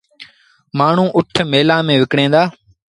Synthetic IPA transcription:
maːɳ̤ũːʔʊʈʰmeːlãːmẽːʋɪkɽẽːnd̪aː

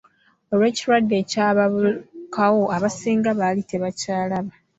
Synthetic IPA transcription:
o̞lwe̞ːciɾwadːe̞ːcaːβaβkʰawo̞aβasiːŋɡaβalitʰe̞βacaːlaβa

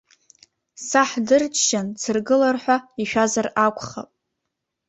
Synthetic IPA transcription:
saħdɨrt͡ʃʰʃant͡sʰɨrɡɨlarħʷaiʃᶣazarakʷʰʼχa̰pʼ

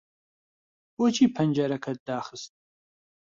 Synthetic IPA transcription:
wɔt͡ʃʰʼiːpʰɐnd͡ʒɐɾɐkʰɐd̚daːχɨstʼ

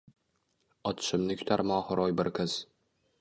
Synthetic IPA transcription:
ɒt̪ʰʃɪmnɪkʲʰʊ̥t̪ʰaɾmɒːhʊɾɒjbɪɾkʰɪz̥

